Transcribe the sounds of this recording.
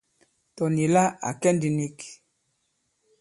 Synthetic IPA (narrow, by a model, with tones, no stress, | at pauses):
tɔ˨ni˨la˦a̰˨kɛ˦ndi˨ni˦k